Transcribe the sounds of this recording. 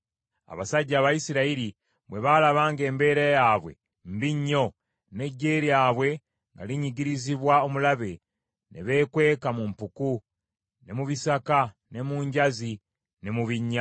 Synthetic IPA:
a̰βasaɟːaːβajisiɾaiɾi | βwe̞βalaβaːŋɡe̞ːmbe̞ːɾajaːβwe̞̰ | mbiɲːo̞ | ne̞ɟːe̞ːɾjaːβwe̞ | ŋɡa̰liɲiɟiɾiziβwao̞mulaβe̞ | nʔḛβe̞ːkwe̞ːkamumpuku | ne̞muβisaka | ne̞muːɲɟazi | ne̞muβiɲːa

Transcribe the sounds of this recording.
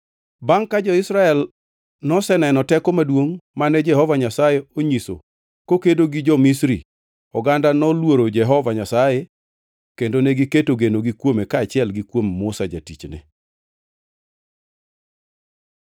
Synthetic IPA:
baŋkad͡ʒɔɪsɾaɛl | nɔsɛnɛnɔtɛkɔmadwoŋmanɛd͡ʒɛhɔvaɲasajeoɲiso̰ | kokedoɡid͡ʒɔmisɾḭ | ɔɡandanɔlwoɾod͡ʒɛɦɔvaɲasaje | kendonɛɡiketoɡenoɡikwomekaːt͡ʃɪɛlɡikwommʊsad͡ʒatit͡ʃnɛ̰

